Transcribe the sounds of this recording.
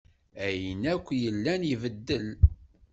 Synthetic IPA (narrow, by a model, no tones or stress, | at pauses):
æjənækʷːjəlːænjivəd̪ːəl